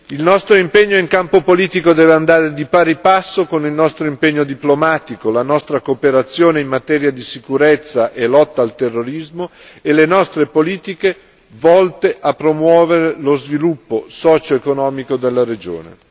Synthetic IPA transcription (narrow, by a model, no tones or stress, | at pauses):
ilnɔst̪ɾoimpeɲːoiŋkampopoliːt̪ikod̪ɛːveand̪aːɾed̪ipaːɾipasːokonilnɔst̪ɾoimpeɲːod̪iplomaːt̪ikolanɔst̪ɾakopeɾat̪sːjoːneimːat̪ɛːɾjad̪isikuɾet̪sːaʔelɔt̪ːaːlt̪erːoɾizmo | elenɔst̪ɾepoliːt̪ike | vɔlt̪eʔapːɾomwɔːveɾelozvilupːosɔːt͡ʃoekonɔːmikod̪elːaɾed͡ʒo̰ːnḛ